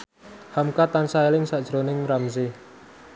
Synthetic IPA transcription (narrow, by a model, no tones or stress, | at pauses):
hamkat̪ansaelɪŋsad̥ʒ̥ɾonɪŋɾamsɪ